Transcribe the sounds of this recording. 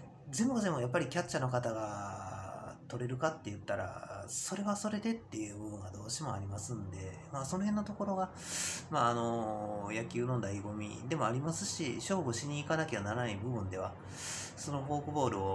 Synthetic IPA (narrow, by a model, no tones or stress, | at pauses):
zẽ̞mbozẽ̞mojapːaɾʲikʲat͡ɕt͡ɕːano̞kat̪aɡa | t̪o̞ɾe̞ɾɯ̟kat̪ːe̞jɯ̟t̪ːaɾa̰so̞ɾe̞βaso̞ɾe̞d̪e̞t̪ːe̞jɯ̟ːbɯ̟bɯ̟̃ŋɡad̪o̞ːɕimo̞aɾʲimasɨ̃nd̪e̞ | maːso̞no̞ɦẽ̞nːot̪o̞ko̞ɾo̞ɡa | maːno̞jakʲɯːnõ̞nd̪aiɡo̞mʲḭd̪e̞mo̞aɾʲimasɨɕiɕo̞ːɡoɕiɲ̟iːkanakʲeβanaɾanaibɯ̟bɯ̟̃nd̪e̞β̞a | so̞no̞ɦo̞ːkɯ̟bo̞ːɾɯ̟o